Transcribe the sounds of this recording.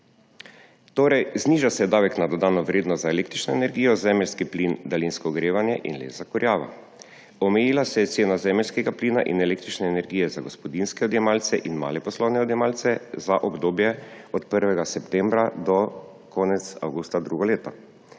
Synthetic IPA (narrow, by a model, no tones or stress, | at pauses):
t̪oːɾɛjzniːʒasɛjɛd̪aːʋɛknad̪ɔd̪aːnɔʋɾeːd̪nɔst̪zaɛleːkt̪ɾit͡ʃnɔɛnɛɾɡiːjɔzɛmɛlʲskiplind̪alinskɔɡɾeːʋanjɛʔḭnlḛːzakɔɾjaːʋa̰ | ɔmɛjiːlasɛjɛt̪seːnazɛmɛlʲskɛɡapliːna̰ʔḭnɛleːk̚t̪ɾit͡ʃnɛːnɛɾɡijɛzaɡɔspɔd̪inskɛɔd̪jɛmaːlt̪sɛʔinma̰ːlɛpɔslɔwnɛɔd̪jɛmaːlt̪sɛzaʔɔbd̪oːbjɛɔt̪pəɾʋɛɡasɛpt̪ɛ̃mbɾad̪ɔ | kʰɔːnɛt̪sa̰wɡust̪ad̪ɾuɡɔleːt̪a̰